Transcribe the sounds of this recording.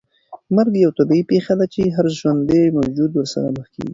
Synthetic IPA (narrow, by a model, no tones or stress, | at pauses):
maɾɡjawt̪abiipexad̪at͡ʃeɦaɾʒwand̪ejmawd͡ʒud̪wəɾsa̰ɾa̰məxkḛɡi